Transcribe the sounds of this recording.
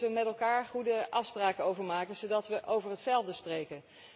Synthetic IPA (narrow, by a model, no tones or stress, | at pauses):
ʋəmɛtɛlˠkaːɹχudəʔɑfspraːkəowvəɹmaːkənz̥owdɑtʋəʔowvəɹɦətsɛlˠvdəsprejkən